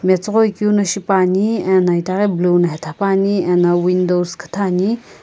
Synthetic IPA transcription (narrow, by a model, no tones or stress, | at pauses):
met͡sʁojkunɐʃipaːniɛnajt̪aɣeblunɐɦet̪ʰapaːniɛnawind̪owskʰə̥t̪ʰaːni